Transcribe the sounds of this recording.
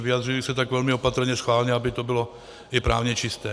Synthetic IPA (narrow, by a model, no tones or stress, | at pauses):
vɪjad̪r̝ɪjɪsɛt̪aɡvɛlmɪopat̪r̩ɲɛsxvaːlɲɛabɪt̪obɪlo | ʔɪpɾaːvɲɛt͡ʃɪst̪ɛː